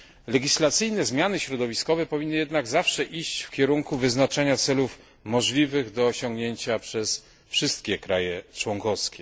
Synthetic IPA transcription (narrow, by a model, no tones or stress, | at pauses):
lɛɡʲislat̪sɨjnɛzmʲjanɘɕɾɔd̪ɔvʲiskɔvɛpɔvʲinːɘɨjɛd̪naɡzafʂɛʔiɕt͡ɕfkʲɛɾuŋkuvɘznat͡ʂɛɲat̪sɛluf | mɔʐlʲivɘɣd̪ɔːɕɔŋɡɲeɲt͡ɕapʂɛs | fʂɘst̪̚kʲɛkɾajɛt͡ʂwɔŋkɔskʲɛ